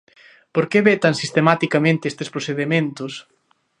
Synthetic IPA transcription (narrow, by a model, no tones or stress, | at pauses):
poɾkeβet̪ansist̪emat̪ikamẽnt̪ɪest̪espɾoθeðemẽnt̪ʊs